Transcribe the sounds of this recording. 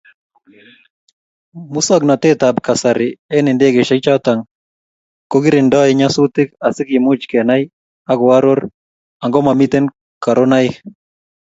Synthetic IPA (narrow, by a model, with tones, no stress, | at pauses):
mu˦sɔ˦ɡna˨t̪ɪ˦t̪a˨bka˨sa˨ɾɪ˨ɛ˦nɪ˨nde˦ɡe˨ʃɛ˦t͡ʃa˦t̪a˨ŋ | ko˦ɡi˦ɾɪ˨ndɔ˦ɪ˨ɲa˦sʊ˦t̪ɪ˦ka˨sɪ˦kɪ˨mʊ˦t͡ʃkɛ˨na˦j | a˦ɡʊ˨a˦ɾo˦ɾ | a˨ŋɡɔ˦ma˨mi˦t̪e˦n | ka˨ɾo˦na˦ɪ˦